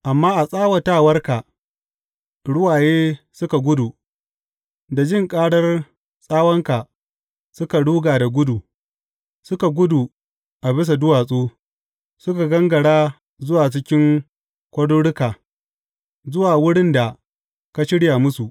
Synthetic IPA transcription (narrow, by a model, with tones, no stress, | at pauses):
ʔa˨mːaː˦ʔa˨sʼaː˦wɐ˨ta˦˨wɐ˦rka˨ | ɽʊ˦waː˨jeː˦ | sʊ˦ka˨ɡʷʊ˦du˨ | da˨d͡ʒɪ˦˨ŋkʼaː˦ɽɐ˦r | sʼaː˦wɐ˦ŋka˨ | sʊ˦ka˨ɽuː˦ɡaː˨da˨ɡʷʊ˦du˨ | sʊ˦ka˨ɡʷʊ˦du˨ | ʔa˨bɪ˦s̬a˨dʊ˦waː˨sʼuː˦ | sʊ˦ka˨ɡɐ˦ŋɡɐ˨ɽaː˦ | zʊ˦waː˨t͡ʃɪ˦kʲɪ˦ŋ | kʷɐ˦ɽuː˦ɽʊ˦kaː˨ | zʊ˦waː˨wʊ˦ɽɪ˦nda˨ | ka˨ʃɪ˦ɽja˨mʊ˦su˨ʔ